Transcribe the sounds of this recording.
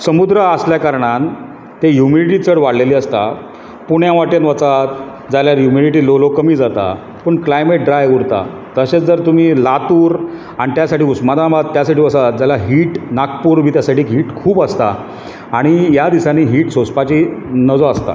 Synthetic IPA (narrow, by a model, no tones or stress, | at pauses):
səmud̪ɾəasljakaɾɳan | t̪ejumiliʈ̬iːt͡səɽʋaɽ̤leliːəst̪a | puɳjãʋaʈənʋət͡sat̪̚ | d͡zaljaɾjumiliʈ̬iːlolokəmiːd͡zat̪a̰ | pəɳklajmeʈ̚ɖɾajuɾt̪a̰ | t̪əɕet͡sd͡zəɾt̪um̤iːlat̪uːɾ | aɽ̃it̪jasaʈiːusmad̪abat̪ːjasaʈiːʋəsat̪̚d͡zalaɦiːʈnakpuːɾm̤iːt̪jasaʈiːkɦiːʈkʰuːpəst̪aː | ɽ̃ijad̪isaniːɦiːʈsospat͡ɕiːnəd͡zoast̪a̰